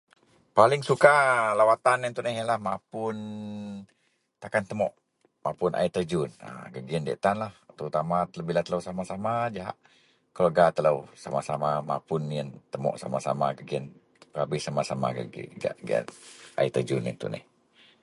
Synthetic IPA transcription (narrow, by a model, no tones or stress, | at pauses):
palɪŋsukalawat̪anənt̪unɛhjəlahmapʊn | t̪akant̪əmɔʔ | mapʊnʔa̰it̪əd͡ʒʊnə̰ɡəɡiəndɛ̰ʔt̪anlaht̪əut̪amat̪ələbilat̪ələwsamasamad͡ʒaɦa̰ʔ | kəloɡat̪ələwsa̰masamama̰pʊnːiənt̪əmɔ̰ʔsa̰masa̰maɡəɡiən | rabɪhsamasama̰ɡə̰ɡḭɡa̰ʔɡḭə̰na̰it̪əd͡ʒunə̰nt̪ṵnɛ̰h